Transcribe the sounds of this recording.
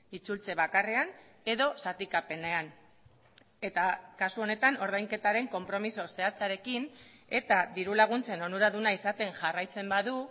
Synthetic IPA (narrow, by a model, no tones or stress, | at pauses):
it͡sult͡se̞βakare̞an | e̞ðo̞sat̪ikape̞ne̞an | e̞t̪akasuo̞ne̞t̪ano̞ɾð̞ajŋke̞t̪aɾe̞ŋko̞mpɾo̞miso̞se̞at͡saɾe̞kin | e̞t̪aðiɾulaɣ̞unt͡se̞no̞nuɾaðunaisat̪e̞ŋʝarajt͡se̞mbaðu